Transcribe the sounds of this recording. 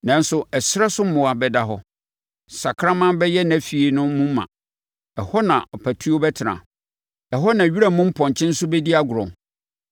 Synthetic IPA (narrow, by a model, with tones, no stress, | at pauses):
nã˨n̩˦sʊ˨ɛ˨sɾɛ˦sʊ̃˦m̩˦mʊ̃˨a˨bɛ˨da˦ɦɔ˦ | sa˨kʰɾã˦mã˦bɛ˦jɛ˦nã˨fi˨e˨nʊ̃˦mũ˦m̩˦mã̰˨ | ɛ˨hɔ˦nã̰˨ɔ˨pʰæ˨tʰu˦o˦bɛ˦tʰɪ˨nã̰˨ | ɛ˨ɦɔ˦nã˨ɥi˦ɾa˦mʊ̃˦m̩˦pʰɔ̃˨ɲ˨t͡ɕʰɪ̃˦n̩˦sʊ˦bɛ˦di˦a˦ɡʷʊ˨ɾʊ̰̃˨ŋ